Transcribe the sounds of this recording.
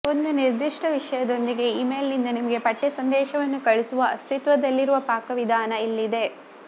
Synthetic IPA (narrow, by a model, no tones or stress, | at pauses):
o̞nd̪uniɾd̪iʂʈɐʋiʂɐjɐd̪o̞nd̪iɡe̞iːme̞ːlnind̪ɐnimɐɡe̞pɐʈːesɐnd̪ɛːʃɐʋɐnːukɐɭisuʋɐɐst̪ʰit̪ʋɐd̪ɐlːiɾuʋɐpaːkɐʋid̪ʱaːnɐilːid̪e̞